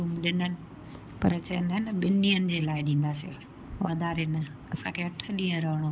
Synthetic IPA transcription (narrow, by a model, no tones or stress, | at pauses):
uːmɗɪnənɪ̆ | pɐɾt͡ɕɐnənəɓɪniːənɪ̆d͡ʑeːlaːɪɗĩːnd̪aːsio | ʋɐd̪ʱaːɾenɐɐsãkʰeɐʈʰə̆ɗĩːə̃ɾɐɦəɽ̃o